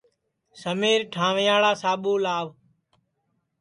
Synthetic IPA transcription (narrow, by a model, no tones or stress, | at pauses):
səmeːɾʈʰãːʋɪjaːɭaːsaːɓuːlaːʋ